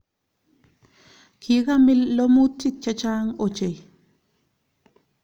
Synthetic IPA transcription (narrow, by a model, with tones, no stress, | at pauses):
kʰiɣa˦mi˦lːo˦mu˦tːi˦t͡ʃat͡ʃa˦ŋot͡ʃe˨j